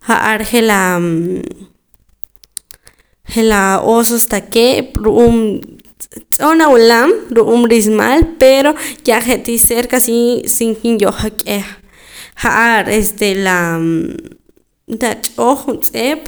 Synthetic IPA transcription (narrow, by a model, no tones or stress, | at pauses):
ha̰ʔaɾχela | χelaosost̪akeʔpɾuʔum | t͡sʼonawlamɾuʔuːmɾis̬ma̰lpeɾojaʔχeʔt̪iseɾkasisiŋkinjoʔχakʼeχ | haʔaɾest̪ela | t̪at͡ʃʼoχunt͡sʼep